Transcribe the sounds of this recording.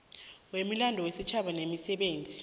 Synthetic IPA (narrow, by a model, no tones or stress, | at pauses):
wemilandʱɔwesit͡ʃʰaɓanemisɛɓeːnd͡zʱi